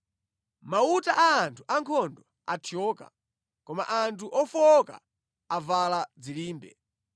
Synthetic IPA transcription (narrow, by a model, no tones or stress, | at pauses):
mautaʔaːntʰu̥ʔaŋkʰɔndɔ | atʰiɔːka̰ | kɔma̰ʔantʰuʔɔfɔka̰ | avalad͡ziliːmbɛ̰